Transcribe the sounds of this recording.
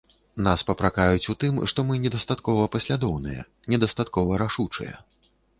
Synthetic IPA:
naspɐpɾakajut͡sʲut̪ɨmʂt̪ɔmɨnʲɛd̪ɐst̪at̪kɔvɐpɐsʲlʲad̪ɔwnɨ̰jɛ̰ | nʲɛd̪ɐst̪at̪kɔvɐɾaʂut͡ʂɨ̰jɛ̰

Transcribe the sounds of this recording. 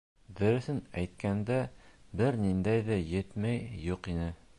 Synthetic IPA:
b̪ɘ̆ɾɵ̆θɘnæjt̪̚kænd̪æbɘɾnind̪æjðæjɘt̪mæjjuqinɘ

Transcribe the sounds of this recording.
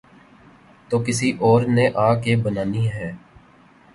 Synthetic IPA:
t̪oːkɪsiʔɔːɾneʔaːkebənaːniɦɛː

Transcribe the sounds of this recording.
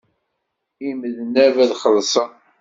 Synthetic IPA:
iməðnævæðχəlsˤən

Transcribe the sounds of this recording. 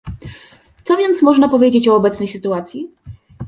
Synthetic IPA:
t̪sɔvʲjɛnt̪smɔʐnapɔvʲjed͡ʑet͡ɕɔːbɛt̪snɛjsɘt̪uat̪sʲji

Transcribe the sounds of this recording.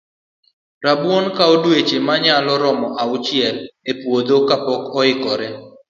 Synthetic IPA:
ɾabwonkaodwet͡ʃemaɲalɔɾɔmɔʔaʊt͡ʃjɛlepwod̪okapɔkɔɪkɔɾɛ

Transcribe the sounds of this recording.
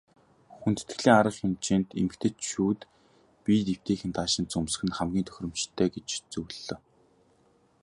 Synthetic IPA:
xunt̪ɘ̥̆t̪ɘ̥̆ɮiːŋaɾə̆ɮxʲɪmt͡ɕiːnt̪ḛmɘ̆kt̪ʰɘ̆t̪ʃuːt̪ | pʲiːt̪ew̥t̪eːxɘ̆nt̪ʰaːʃɪ̆n̚t͡sɵms̆xɘ̆nχæmɡʲiːnt̪ʰœ̥x̆ʲrɵ̆mt͡ɕt̪ʰːæːɡet͡ɕt͡suwɮːɞ̆ː

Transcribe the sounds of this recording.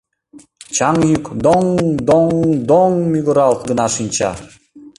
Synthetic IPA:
t͡ɕɑŋjykd̪oŋd̪oŋd̪oŋmʲiɡuɾɑlˠt̪ɡə̆nɑʃinʲt͡ɕɑ̰

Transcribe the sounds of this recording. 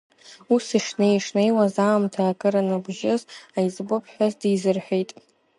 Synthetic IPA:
usiʂneiʂnejwazaːmtʰaːkʼɨɾanɨbʒɪzajzʼbopʰʼħʷᶣazdizɨrħʷᶣejtʼ

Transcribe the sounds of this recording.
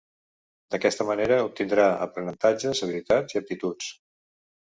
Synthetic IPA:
d̪əkɛst̪əməneɾəup̚t̪ind̪ɾaə̰pɾənənt̪ad͡ʒəzəβilit̪ad͡ziəp̚t̪it̪ut͡s

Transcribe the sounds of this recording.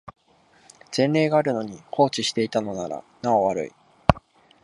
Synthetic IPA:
z̥ẽ̞nɾe̞ːɡaːɾɯ̟no̞ɲ̟ikʰo̞ːt͡ɕiɕi̥t̪e̞it̪ano̞naɾa̰ | nao̞βaɾɯ̟̰ḭ

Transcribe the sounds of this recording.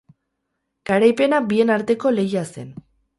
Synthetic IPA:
ɡ̥aɾajpe̞nabie̞naɾt̪e̞ko̞le̞jase̞̰n

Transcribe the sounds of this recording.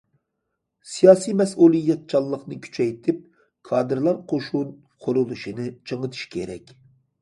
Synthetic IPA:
sijɑːsijmɛsʔulˠijːɛt̪̚t͡ʃʰɑlˠːəχnɨkʲʰy̥t͡ʃʰɛjt̪ʰɪp̚ | kʰɑːd̪ɨɾlˠɑɾqʰoʃun | qʰoɾulˠuʃinɨt͡ʃʰəŋət̪ʰɨ̥ʃi̥kʲʰḛɾɛ̰kʲ

